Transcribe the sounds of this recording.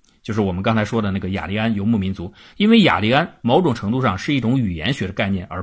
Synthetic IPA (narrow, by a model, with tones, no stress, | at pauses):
t͡ɕjo˥˧ʊʂɻ̩˥˩wɔ˨˩mə˦nkɑ˥ŋt͡sʰa˧˥ɪʂwɔ˥d̪ə˨na˥˩ɡə˩ja̰˨˩li˧˥a˥njo˧˩ʊmu˥˩mi˧˥nt͡su˧˥ | i˥nwe˥˩ɪja̰˨˩li˧˥a˥nmo˧˥ʊʈ͡ʂʊ˨˩ŋʈ͡ʂʰɤ˧˥ŋt̪u˥˧ʂɑ˥˧ŋʂɻ̩˥˧i˥˩ʈ͡ʂʊ˧˥ŋy˨˩jɛ̰˧˥nɕɥɛ˧˥d̪ə˧ka˥˧ɪnjɛ˥˩nə̰˞˧˥